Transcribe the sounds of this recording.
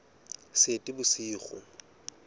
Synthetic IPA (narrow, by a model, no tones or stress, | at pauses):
setʼɪbʊsiːχʊ̰